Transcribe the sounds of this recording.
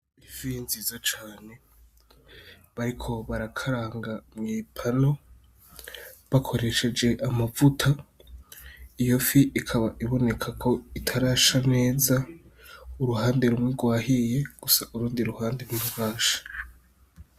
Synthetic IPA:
ivinzizot͡ʃaːne̞ | βaɾikʰo̞βaɾakʰaɾaːŋɡamŋiːpʰano̞ | βakʰo̞ɾe̞ʃe̞d͡ʒe̞ʔamavutʰa | ijo̞fiʔikʰaβaʔiβo̞ne̞kʰakʰo̞itʰaɾaʃane̞ːza | uɾuhaːnde̞ɾumŋiɡwaːhije̞ɡ̥usaʔuɾuːndiɾuhaːndeɾumuβaːʃḁ

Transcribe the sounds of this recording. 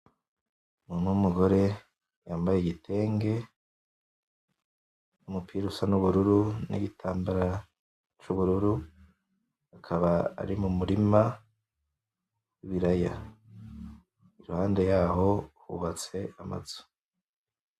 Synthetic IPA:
munumuɡo̞ɾe̞ | jaːmbajeɟitʰe̞ːŋɡe̞ | numupʰiːɾusanuβuɾuɾunḭɟitʰaːmbaɾa | t͡ʃuβuɾuɾu | akʰaβaa̰ɾimumuɾima | wiβiɾaja | iɾuhaːnde̞jaːɦo̞hṵβat͡se̞ama̰z̥u̥

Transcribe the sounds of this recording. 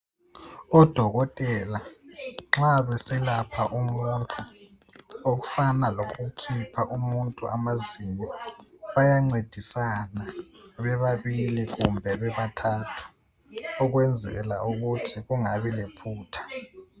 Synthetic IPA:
ɔd̥ʱɔɣɔtʼɛlaŋ͡ǁaβɛsɛlapʰaʔumuntʼu | oɣufanaloɣukʰipʰaʔumuntʼuamazimɔβajaŋ͡ǀed̥ʱisana | βɛβaβiliɣumbʱɛβɛβatʰatʰu̥ | ɔɣwɛnd͡zʱɛ̰la̰uɣutʰiɣuŋaβilepʰuːtʰḁ

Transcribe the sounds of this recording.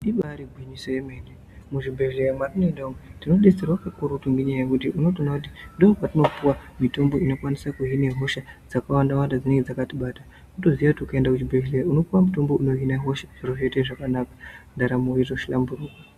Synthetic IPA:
ɗiɓaɾiɡʱwiɲiso̞jemene | muʐibʱe̞leɾamarinoendaumwetino̞ɗe̞serwakakuɾutuŋɡiɲajekutiʔuno̞tonakut̬idoŋɡopatino̞puwamito̞mbo̞ino̞kwanisakuɦineɦo̞ʃad͡zakawandawandad͡zineŋɡed͡zakatiɓaːta | nuto̞ziʋakutiukaendakut͡ʃibʱe̞lerauno̞puwamuto̞mbo̞uno̞ɦinaɦo̞ʃaʐ̥iroʐete̞ʐakanaːkḁndaɾamuiʐoʃilambuɾuːka

